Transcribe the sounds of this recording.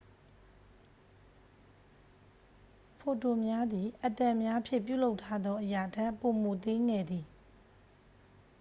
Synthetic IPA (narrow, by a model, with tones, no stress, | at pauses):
pʰo˨to˨mja˦d̪i˨ʔə˨tɛ̃˨mja˦pʰjɪ̰̃˦˨p̬jṵ˦˨lo˦ʊtʰːa˦d̪ɔ˦ʔəja˨tɛ˦ʔpo˨mo˨t̪ɪ̃˦ŋɡɛ˦˨d̪ði˨